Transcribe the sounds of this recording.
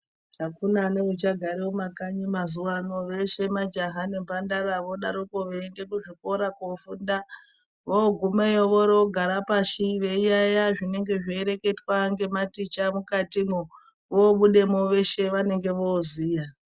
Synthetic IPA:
akunaneut͡ʃaɡʱaɾewomakaɲimazuwanoʋe̞ʃe̞mad͡ʒaɦanembʱandaɾaʋoɗaɾokoʋeːnde̞kuʐiko̞ɾakofunda | ʋoːɡʱumejoʋoɾoɡʱaɾapaʃiʋe̞ijajaʐine̞ŋɡe̞ʐieɾe̞ke̞twaŋɡe̞matit͡ʃamukatimo | ʋoːɓuɗe̞moʋe̞ʃe̞ʋane̞ŋɡe̞ʋo̞ːziːja

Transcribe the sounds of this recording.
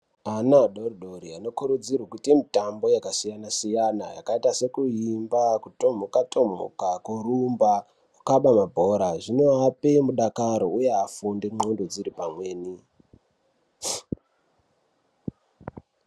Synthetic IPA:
anaɗoriɗoɾiano̞kuɾud͡zirwakutiemitambo̞jakasijanasijana̰ja̰kaitase̞kuimbakuto̞mokatʰo̞mo̰kakuɾumba | ukaɓamabʱo̞ɾaʐino̞apemuɗakaɾoujeafundiŋ͡ǃondod͡ziɾipamwe̞ːni

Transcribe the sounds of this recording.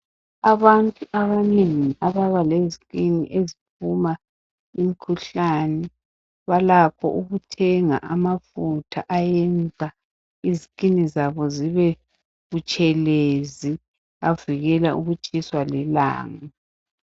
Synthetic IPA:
aβantʼuʔaβaneŋiʔaβaβalezikʼinḭʔezipʰuma | imikʰuɬanɛ | βalapʰɔ̰ʔuɣutʰɛŋa̰ʔamafutʰaʔajɛnd͡zʱa | izikʼinizaβɔziβɛ | ɣut͡ʃʼɛlezi | aviɣɛlaṵɣut͡ʃʼiswalɛla̰ːŋa

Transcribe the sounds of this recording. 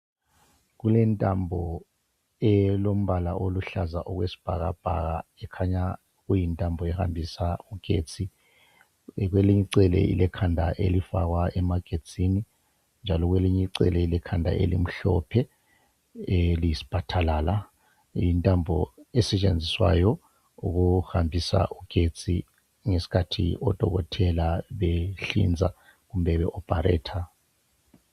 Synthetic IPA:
ɣulɛntʼambʱɔ | ɛlom̩βalaʔoluɬazaʔɔɣwesi̥b̥ʱaɣab̥ʱa̰ɣaɛkʰaɲa | ɣujintʼambʱɔɛha̰mbʱisauɡ̥ʱḛːt͡sʰʼi | ɣweliɲiǀɛlɛ̰ʔḭlɛkʰandʱaʔḛlifa̰ɣwaʔɛmaɡ̥ʱet͡sʰʼini | nd͡ʒʱalɔɣweliɲiǀɛ̰lɛilɛkʰandʱa̰ʔḛlḭm̩ɬɔ̰pʰɛ | liisi̥b̥ʰʱatʰalaːla | intʼambʱɔ̰ɛsɛt͡ʃʼend͡zʱiswa̰jɔ | uɣuhambʱisa̰ʔuɡ̥ʱe̥t͡sʼḭ | ŋesi̥kʰatʰḭɔd̥ʱɔɣɔtʰɛlaβeɬḭnd͡zʱa | ɣum̩bʱɛβɛʔɔb̥ʱaɾɛ̰ːtʰa

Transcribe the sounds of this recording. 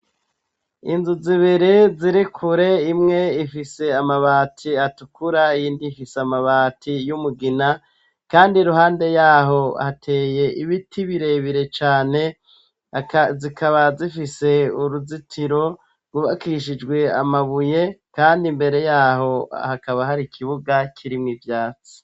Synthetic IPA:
inzuziβiɾeziɾikʰuɾe̞imŋe̞ifise̞amaβaːtʰiatukuɾaijiːndifiseamaβaːtʰijumuɡina | kaːndiɾuɦaːnde̞jaːɦo̞hatʰe̞ːje̞ʔiβitʰiβiɾe̞βiɾe̞t͡ʃaːne̞ | kzikʰaβazifise̞uɾuzitʰiɾo̞ | ɡuβakiʃ̬id͡ʒɡwe̞amaβuje̞kaːndimbe̞ɾe̞jaːho̞a̰hakaβaɦaɾikʰiβuɡakʰiɾimŋivjaːt͡si̥

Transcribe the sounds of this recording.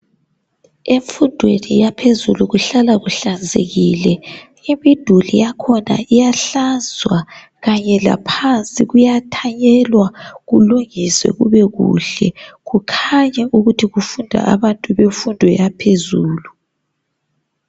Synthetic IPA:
eɱfundʱwenijapʰezuluɣuɬalaɣuɬand͡zʱḛɣilɛ | imid̥ʱulḭjakʰɔna̰ʔijaɬanzʱwa | ɣaɲɛla̰pʰant͡sʼiɣujatʰaɲɛlwaɣuluŋiswɛ̰ɣuβɛɣṵɬɛɣukʰaɲɛʔuɣutʰiɣufundʱa̰ʔaβantʼuβeɱfundʱɔ̰japʰezuːlu

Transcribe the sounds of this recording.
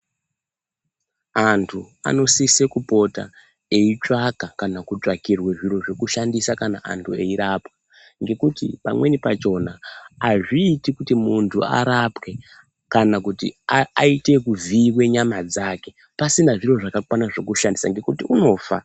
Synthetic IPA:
antʰu | a̰no̞sise̞kupo̞ta̰ | e̞it͡ʂakakanakut͡ʂakirweʐiro̞ʐe̞kuʃandisakana̰ʔa̰ntʰue̞iɾapwa | ŋɡe̞kutḭpa̰mwe̞nipat͡ʃo̞naːʐiːtikutimuntʰṵa̰ɾapwe̞ | kanakutḭaaite̞kuviwe̞ɲamad͡zake̞ | pasinaʐiro̞ʐakakwanaʐe̞kuʃandisa̰ŋɡe̞kutiuno̞ːfa̰

